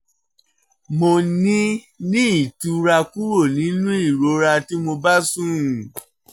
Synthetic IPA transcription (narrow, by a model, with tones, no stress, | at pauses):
mo˧nĩ˦ | nĩ˦i˦˨tũ˨˧ɾa˧ku˦wo˦˨nĩ˨˦nũ˦i˦˨ɾo˨˦ɾa˧ti˦mo˧ba˦sũ˦˨